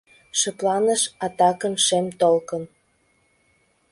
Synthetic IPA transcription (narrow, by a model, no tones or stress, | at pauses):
ʃəplɑnəʃɑt̪ɑkə̆nʃemt̪olkən